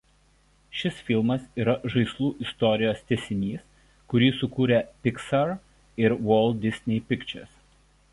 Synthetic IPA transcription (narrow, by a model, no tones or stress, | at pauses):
ʃʲɪsfʲɪlˠmɐsiːɾɐʒɐɪslˠuːʔɪst̪ɔɾʲɪjoːst̪ʲɛsʲɪnʲiːs | kʊɾʲiːsʊkuːɾʲɛpʲɪksɐɾ | ɪɾʋɔːlˠʲd̪̚ʲd̪ʲɪsʲnʲɛɪpʲɪkt͡ʃʲɛ̰ɾs